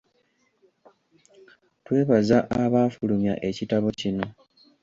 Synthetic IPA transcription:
twe̞ːβazaʔaβaːfulumja̰ʔe̞citaβo̞cino̞

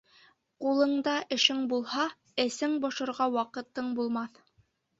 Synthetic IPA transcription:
qulˠɤ̆ɴd̪ɑʔɘ̆ʃɘŋbulˠhɑ | ɘ̆sɘŋbɑʃɤ̆ɾʁɑwɑqɤ̆t̪ɤɴbulˠmɑθ

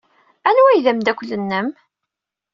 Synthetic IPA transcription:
ænuæjðæmd̪ækʷlənːəm

